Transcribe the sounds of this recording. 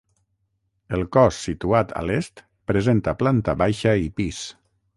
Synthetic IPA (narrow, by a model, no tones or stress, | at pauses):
əlˠkɔsːit̪uat̪ʰə̰lest̪ | pɾəzent̪əplant̪əβajʃəipis